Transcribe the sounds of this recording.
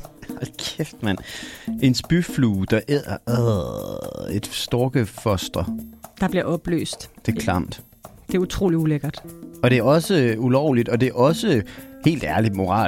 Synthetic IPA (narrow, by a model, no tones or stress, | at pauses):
ɑkʰefd̥mæn̰ʔe̝nsb̥yfluːd̥ɑ̈ʔeð̰ˠɐæ | ed̥sd̥ɔːɡ̥əfɒsd̥ʁɐd̥ɑ̈b̥liɐɒ̽b̥lø̰ːsd̥d̥e̝kʰlɑm̰d̥ | d̥e̝æɐut͡sʰʁo̝̰ːliuleɡ̥ɐd̥ɒ̽ɾ̥e̝æɐɒ̽səulɒʊ̰lid̥ɒ̽d̥e̝ɐɒ̽səhe̝̰ːld̥æɐli̥mo̝ʁɑ̰̈ː